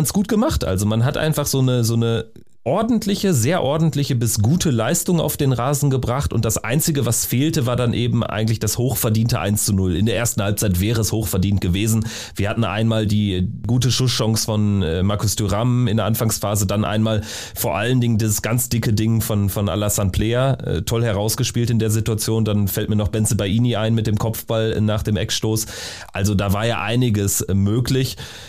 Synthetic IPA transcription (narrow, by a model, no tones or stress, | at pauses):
nsɡ̥uːt̚ɡ̥əmaχtʔa̰lzomanɦatʔa̰ɪnfaχz̥oːnəzoːnə | ʔɔɐdn̩tʰlɪçəzeːɐʔɔɐdn̩tlɪçəbɪsɡ̥uːtʰəlaɪstʊŋa̰ʊfd̥eːnʁaːzn̩ɡəbʁaχtʊ̰nt̚d̥asʔa̰ɪnt͡sɪɡəvasfeːltəvaːɐdanʔeːbm̩ʔa̰ɪɡŋ̩tlɪçd̥ashoːxfɛɐdiːntəʔa̰ɪnst͡sunʊlɪ̰ndeːɐʔeːɐstn̩halp̚t͡saɪtv̥ɛːʁəɛshoːxfɛɐdiːntɡ̥əveːzn̩ | vviːɐhatn̩ʔa̰ɪnmaːldiːɡuːtəʃʊsʃɔŋsfɔnɛːmaɐkʊstʰyʁamɪndeɐʔanfaŋsfaːzədanʔa̰ɪnmaːl | foːɐʔaləndɪŋəndiːzəsɡ̥ant͡sd̥ɪkədɪŋfɔnfɔnʔa̰lasantpʰlɛːaɛ̰tʰɔlhɛʁaʊsɡ̥əʃpiːltɪndeːɐzɪtuat͡sjoːndanfɛlt̚miːɐnɔχb̥ɛnt͡səbaɪʔiːniaɪnmɪt̚d̥eːmkʰɔpp͡fb̥alnaːχd̥eːmʔɛ̰kʃtoːs | ʔalzodaːvaːɐjaːʔa̰ɪnɪɡəsmøːklɪç